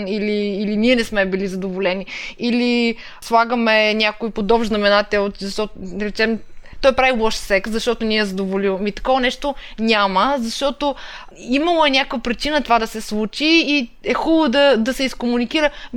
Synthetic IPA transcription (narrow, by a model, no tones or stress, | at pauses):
niliːliniɛnɛsmɛbilizɐd̪ovolɛniili | slˠaɡəmɛnʲakoipod̪ɔbʒznɐmɛnat̪ɛt̪zɐʃt̪ɔt̪ɾɛt͡ʃɛmt̪ɔjpɾavilˠɔʃsɛkt̪zɐʃt̪ɔt̪oniɛɛzɐd̪ovoliwmit̪ɐ̥kɔvɐnɛʃt̪onʲaməzɐʃt̪ɔt̪o | imɐlˠoɛnʲakvpɾit͡ʃinət̪ovad̪ɐsɛslˠut͡ʃiːɛxulˠod̪ɐd̪ɐsɛiskomunik̟iɾə